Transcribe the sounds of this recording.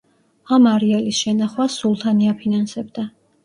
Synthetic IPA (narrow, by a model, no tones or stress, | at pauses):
amaɾialisʃɛnaχwasulˠt̪ʰaniapʰinansɛbd̪a